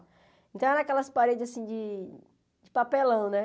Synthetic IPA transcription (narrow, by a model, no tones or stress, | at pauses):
ẽt̪ɐ̃w̃ɛɾɐ̃akɛlɐspaɾed͡ʒɪzasĩd͡ʒɪ | d͡ʒɪpapelɐ̃w̃nɛ